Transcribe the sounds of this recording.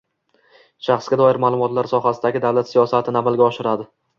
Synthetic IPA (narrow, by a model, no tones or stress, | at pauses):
ʃaχsɡʲad̪ɒɪɾmaːlˠʊmɒt̪laɾsɒɦasɪd̪aɡʲɪd̪awlat̪sijɒsat̪ʰɪnamalɡʲaɒʃɪɾad̪ɪ